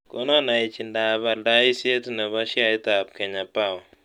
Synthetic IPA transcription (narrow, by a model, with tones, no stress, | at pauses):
ko˦nɔ˦na˨i˨t͡ʃi˨nda˨ba˨lda˦i˦se˦tnɛ˨βa˦ʃja˦i˦ta˨p̚kɛ˨ɲa˨pa˦˨w